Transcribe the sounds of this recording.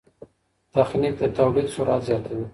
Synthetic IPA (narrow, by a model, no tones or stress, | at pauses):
d̪̥axnik̚d̪ət̪awlid̪sʊɾɑt̪zjɑt̪awi